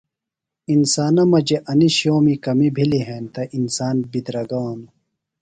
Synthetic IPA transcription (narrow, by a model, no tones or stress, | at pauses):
insaːnɐmɐd͡ʑeʔɐniɕoːmikɐmibʱiliɦeːnt̪ɐʔinsaːnbid̪ɾɐɡɐwanu